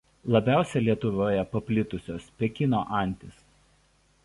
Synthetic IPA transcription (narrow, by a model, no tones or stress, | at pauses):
lˠɐbʲæˑʊsʲɛlʲiɛt̪ʊʋoːjɛpɐpʲlʲɪt̪ʊsʲoːspʲɛkʲɪnoːʔɐˑnʲt̪ʲɪs